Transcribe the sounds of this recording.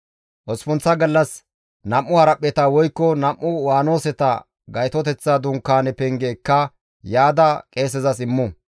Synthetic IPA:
ʔɔspʊnt͡sːɐɡɐlːɐs | nɐmʔːʊhɐɾɐpʼːɛt̪ɐwɔjkːɔnɐmʔːʊwaːno̞ːsɛt̪ɐ̰ | ɡɐjt̪ɔt̪ɛt͡sːad̪ʊŋkːaːnɛpɛŋɡeːkːɐ | jaːd̪ɐkʼe̞ːs̬ɛzɐsɪmːʊ

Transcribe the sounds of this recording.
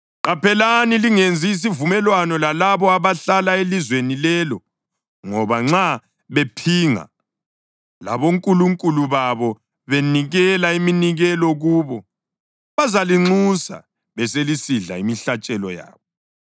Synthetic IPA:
ǃapʰɛlaniliŋend͡zʱiːs̬ivumɛlwanɔlalaβɔaβaɬalaelizwenilɛːlɔ | ŋɔβaŋ͡ǁa | βepʰiŋa̰ | la̰βoŋkʼuluŋkʼuluβaβɔ | βeniɣɛlaiminiɣɛlɔɣuːβɔ | βazaliŋ͡ǀusa̰ | βɛselisiɮa̰imiɬat͡ʃʼɛlɔ̰ja̰ːβɔ

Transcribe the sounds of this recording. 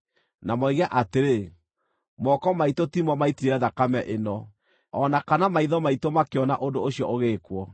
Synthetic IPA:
namɔiɣeaʔateɾe | mɔkɔmaitotimɔmaitiɾeɾɛðakamɛʔenɔ | ɔnakanamaiðɔmaitomakeɔnaʔondooɕjɔʔoɣeːkwɔ

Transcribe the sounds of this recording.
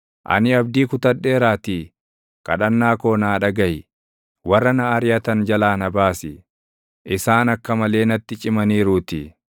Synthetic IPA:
ʔɐ̰nɪɐb̚d̪iːkʊt̪ɐᶑːe̞ːɾaːt̪i | kʼɐ̰ᶑɐnːaːko̞ːnaːᶑɐɡɐj | wɐrːɐnɐaːɾɪjɐt̪ɐnd͡ʒɐlaːnɐbaːsɪ | ʔɪsaːnɐkːɐmɐle̞ːnɐt̪ːɪt͡ʃʼɪmɐniːɾuːt̪ɪ

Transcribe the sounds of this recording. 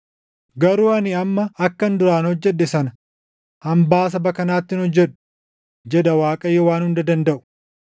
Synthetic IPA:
ɡɐɾuːɐniɐmːɐɐkːɐnd̪ʊɾaːnhɔd͡ʒːɛᶑːɛsɐnɐ | hɐmbaːs̬ɐbɐkɐnaːt̪ːɪnɔd͡ʒːɛᶑʊ̥ | d͡ʒɛd̪ɐwaːkʼɐjɔwaːnhʊnd̪ɐd̪ɐnd̪ɐʔʊ̥

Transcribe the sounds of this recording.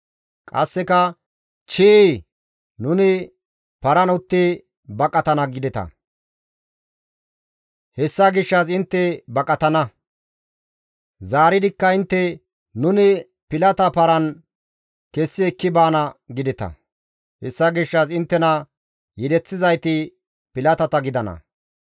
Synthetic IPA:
kʼɐ̰sːɛkɐ | t͡ʃɪʔ | nʊnɪ | pɐɾɐnʊt̪ːɪ | bɐkʼːɐt̪ɐnɐɡɪd̪ɛt̪ɐ̰ | hɛsːɐɡɪʃːɐs̬ɪnt̪ːɛbɐkʼɐt̪ɐnɐ | zaːɾɪd̪ɪkːɐɪnt̪ːɛ | nʊnɪ | pɪlɐt̪ɐpɐɾɐn | kɛsːɪɛkːɪbaːnɐɡɪd̪ɪt̪ɐ̰ | hɛsːɐɡɪʃːɐs̬ɪnt̪ːɛnɐ | jɛd̪ɛt͡sːɪzɐjt̪ɪ | pɪlɐt̪ɐt̪ɐɡɪd̪ɐnɐ̰

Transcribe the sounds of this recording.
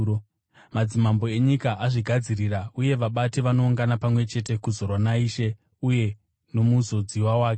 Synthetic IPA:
o | mad͡zimambo̞e̞ɲikaʔaʐiɡʱad͡zirirauje̞ʋaɓateʋano̞uŋɡanapamwe̞t͡ʃe̞te̞kuzo̞rwanaiːʃe̞ | uje̞ | no̞muzo̞d͡ziwawaːke

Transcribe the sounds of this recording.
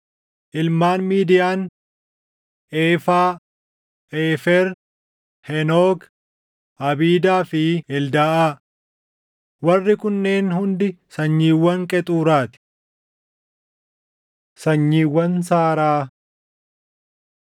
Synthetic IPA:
ʔɪlmaːnmiːd̪ɪjaːn | ʔeːfaː | ʔeːfɛɾ | hɛnoːɡ | ɐbiːd̪aːfɪɛld̪aːʔaː | wɐrːɪkʊnːe̞ːnhʊnd̪ɪsɐɲːiːwːɐŋkʼɛt̪ʼuːɾaːt̪ɪ̥ | sɐɲːiːwːɐnsaːɾaː

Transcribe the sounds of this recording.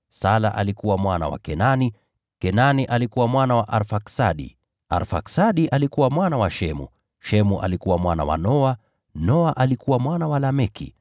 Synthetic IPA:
sala̰ʔalikuwamwana̰wa̰kɛnani | kɛnaniʔalikuwamwanawaʔaɾfaksaɗḭ | a̰ɾfa̰ksaɗiʔalikuwamwanawaʃɛmṵ | ʃɛmuʔa̰likuwamwana̰wa̰nɔa | nɔaʔalikuwamwanawalamɛkḭ

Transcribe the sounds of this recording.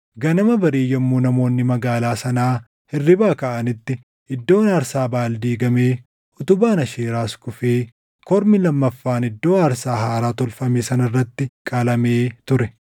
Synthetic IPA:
ɡɐnɐmɐbɐɾiːjɛmːuːnɐmo̞ːnːɪmɐɡaːlaːsɐnaː | hɪrːɪbaːkɐʔɐnɪt̪ːɪ | ʔɪd̪ːo̞ːnaːɾsaːbaːld̪iːɡɐmeː | ʊt̪ʊbaːnɐʃeːɾaːskʊfeː | kɔɾmɪlɐmːɐfːaːnɪd̪ːo̞ːɐɾsaːɦaːɾaːt̪ɔlfɐmeːsɐnɐrːɐt̪ːɪkʼɐlɐmeːt̪ʊɾɛ

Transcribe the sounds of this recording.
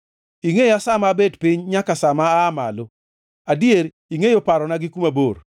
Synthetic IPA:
iŋejasamabedpɪɲɲakasamaːmalo | adjeɾ | iŋejopaɾɔnaɡɪkumabor

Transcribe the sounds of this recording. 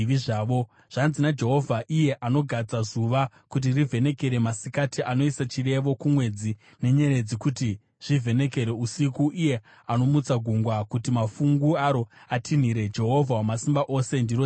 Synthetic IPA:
ʋiʐaːʋo̞ | ʐ̥anzinad͡ʒe̞ɦo̞vʱaʔije̞ʔano̞ɡʱad͡zazuʋa | kut̬irivʱe̞ne̞ke̞ɾe̞masikatiʔano̞isat͡ʃire̞ʋo̞kumwe̞d͡zi | ne̞ɲe̞ɾe̞d͡zikuti | ʐ̥ivʱe̞ne̞ke̞ɾe̞usikuʔije̞ | ano̞mut͡saɡʱuŋɡwakutimafuŋɡuaɾo̞atʰin̤iɾe̞d͡ʒe̞ɦo̞vʱawamasimbaʔo̞se̞ndiro

